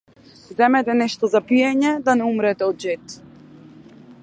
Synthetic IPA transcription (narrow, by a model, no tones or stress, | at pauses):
zɛmɛt̪ɛnɛʃt̪ɔzapijɛɲɛd̪anɛumɾɛt̪ɛɔd̪̚d͡ʒɛt̪